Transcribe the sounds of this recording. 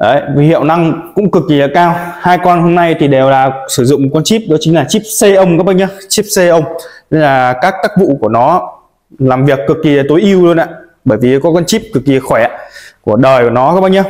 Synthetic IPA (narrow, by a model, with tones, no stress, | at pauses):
ʔə˨˧˩jvi˨˩hḭ˧˨ə˨wna˧ŋkʊ̰˧˥ŋ͡mkɨ˨˩k̚ːi˨˩lə˨˩kaː˧whaː˧jkɔ˧nho˧mna˧jt̪ʰi˨˩ɗe˨˩wlaː˨˩sɨ˧˩zʊ̰˧˨ŋ͡mkɔ˧nt͡ɕi˦˥p̚ɗɔ˨˦t͡ɕï˨˦ŋ̟laː˨˩t͡ɕi˦˥p̚se˧ʔə˧wŋ͡mkaː˦˥pɓa˧ɲə˧t͡ɕi˦˥p̚se˧ʔə˧wŋ͡mlaː˨˩kaː˦˥k̚t̪aː˦˥k̚vṵ˧˨ku˧˩ənɔ˨˦ | laː˨˩mvi˨˩əkːɨ˨˩kːi˨˩˨t̪o˨˦jʔi˧wlu˧ənʔa̰ː˧˨ | ɓəː˧˩jvi˨˩˨kɔ˨˦kɔ˧nt͡ɕi˦˥p̚kɨ˨˩k̚ːi˨˩ə˨˩xwɛ˧˩a̰ː˧˩ku˧˩əɗəː˨˩jku˧˩nɔ˨˦kaː˦˥pɓa˧j̚ɲə˧